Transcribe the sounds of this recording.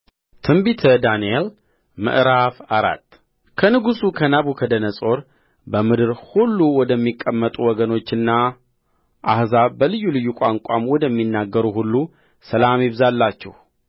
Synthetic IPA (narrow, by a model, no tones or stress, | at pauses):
t̪ʰɨmbit̪ʰəd̪aniel | mɨ̰ʔɾafaɾa̰t̪ː | kʰənɨɡusukʰənaβukʰəd̪ənəsʼo̞ɾ | bəmɨd̪ɨɾhulːuwɔd̪əmːikʼːəmːət̪ʼuwɔɡəno̞t͡ʃːɨnːa | ʔahzabəlɨjːulɨjːukʷʼaŋkʷʼamwɔd̪əmːinːaɡːəɾuhulːu | səlamjɪβzalːat͡ʃːɛ̰h